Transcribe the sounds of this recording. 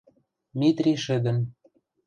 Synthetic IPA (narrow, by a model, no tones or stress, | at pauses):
mit̪rʲiʃɘ̆d̪ə̆m